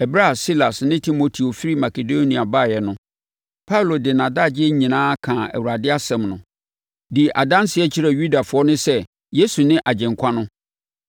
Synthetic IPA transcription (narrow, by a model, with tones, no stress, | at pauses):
ɛ˨bɾa˦˨si˦la˨snɪ̃˦tʰi˦mo˨tʰi˨o˨fi˦ɾi˦ma˨kʰe˨do˦nĩ˨a˨baː˦˨jɛ˨nʊ̃˦ | pʰa˦u˨lo˨dɪ˨nã˨da˦˨d͡ʑɪ˦ɛ˦ɲĩ˨nãː˦kʰã˨ɛ̰˨wu˨ɾa˨dɪ˦a˦sɛ̃˨mnʊ̃˨ | di˨ʔa˨dã˦n˦sɪ˨ɛ˦t͡ɕʰi˦ɾɛ˨ju˦da˨fʊ˨ɔ˦nʊ̃˦sɛ˦ | je˦su˨nɪ̃˦ʔa˨d͡ʑɛ̃˨ŋkʷʰã˦nʊ̃˦